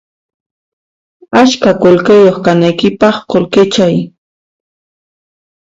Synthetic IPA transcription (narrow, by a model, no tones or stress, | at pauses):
at͡ʃkakolkejoχkanajkɪpɑχkolkɪt͡ʃaj